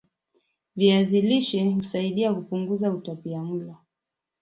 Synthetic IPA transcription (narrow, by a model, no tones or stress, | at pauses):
viaziliʃɛhusaiɗiakupuŋɡuzautapiam̩lɔ